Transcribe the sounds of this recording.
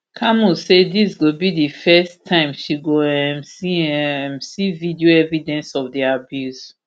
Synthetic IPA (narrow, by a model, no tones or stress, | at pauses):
kʰamusedisɡobidifɛstʰãɪ̃mʃiɡoɛ̃msiɛ̃msividioɛvidɛ̃nsɔfdɛabjuz